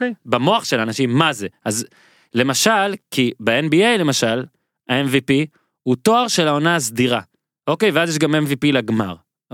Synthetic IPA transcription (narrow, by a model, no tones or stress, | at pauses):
bamo̞aχʃe̞lanaʃimːaze̞az | le̞maʃalkibeenbiejle̞maʃal | ae̞nvipi | huto̞aʁʃe̞lao̞naːsdiʁa | o̞ke̞jveazjeʃ̬ɡamenvipilaɡmaʁ